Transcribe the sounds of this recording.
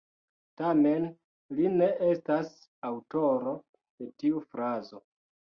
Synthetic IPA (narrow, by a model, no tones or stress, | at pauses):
tame̞n | line̞ʔestas | awto̞ɾo̞ | d̥e̞tiufɾazo̞